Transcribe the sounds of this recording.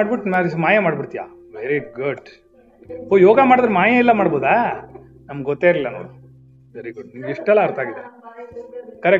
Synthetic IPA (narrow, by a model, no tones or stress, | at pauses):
aɽbiʈnaɾmaːjɐmaːɖbiɽt̪ija̰ː | ʋeɾiɡuɖ | hoːjoːɡɐmaːɽud̪ɾemaːjɐilːɐmaːɽboːd̪eː | nɐmɡɡɔt̪ːeːɾlilːɐnoːɽu | ʋeɾiɡuɖnimɡiʂʈɛlːɐːɾt̪ʰaːɡid̪e | kɐɾe